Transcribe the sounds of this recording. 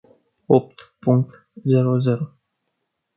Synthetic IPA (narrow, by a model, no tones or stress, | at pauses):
op̚t̪puŋk̚t̪ | zeɾozeɾo